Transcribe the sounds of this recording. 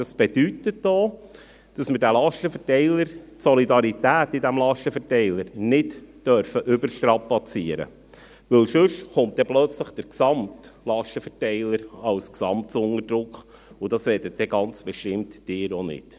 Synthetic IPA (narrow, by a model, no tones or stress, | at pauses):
d̥ɑsb̥edytətd̥oː | d̥ɑsməɾdælɑʃtəfɛɾtɛɪləɾtsɔlidɑɾitæːtidæmlɑʃtəfɛɾtɛɪləɾnɪtd̥œɾfəʔʏbəɾʃtɾɑpɑt͡siəɾə̰ | ʋɵlʃɵʃχʊnt̚d̥ɛplœt͡sləχd̥əɾksɑmtlɑʃtəfɛtɛɪləɾɑlsksɑmt͡sʊŋəɾdɾʊkχ | ʊd̥ɑsʋɛːɾdət̚dɛɡɑnt͡sb̥ɛʃtɪmtd̥ɪːɾɔnɪ̰t